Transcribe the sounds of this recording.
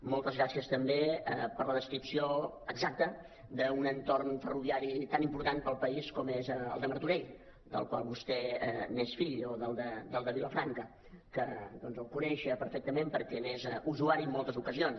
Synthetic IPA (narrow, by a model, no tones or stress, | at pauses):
mɔlˠt̪əzɣɾasiəst̪əmbeɛpəɾləðəskɾipsio | əɡzak̚t̪ə | d̪əunənt̪ornfəruβiaɾit̪animpuɾt̪anpəlˠpəiskɔmezə̰lˠd̪əmərt̪uɾeʎ | d̪ə̰lˠkwalˠβust̪ɛɛnesfiʎoðəlˠd̪əd̪əlˠd̪əβiləfɾaŋkə | kəd̪ɔnzəlˠkunɛʃəpəɾfɛk̚t̪əmẽmpəɾkɛnezuzuaɾiəmːɔlˠt̪əzukəzions